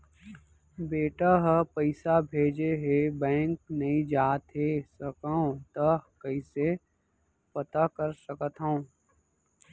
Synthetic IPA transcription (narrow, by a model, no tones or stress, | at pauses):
beːʈaɦəpəɪsabʱeːd͡ʒeɦebɛ̃ːŋknɐɦĩd͡ʒaːt̪ɦesəkəõt̪əkəise | pət̪akəɾsəkət̪ɦəõ